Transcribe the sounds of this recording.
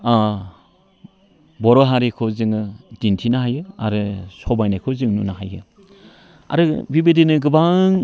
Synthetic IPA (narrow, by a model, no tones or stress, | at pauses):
bɔɾɔɦaɾekʰɯzɯŋɯdintʰinaɦajɯa̰ɾɯsɔbajnajkʰɔzɯŋnṵnaɦajɯ̰ | a̰ɾɯbibedinɯɡɯbaŋ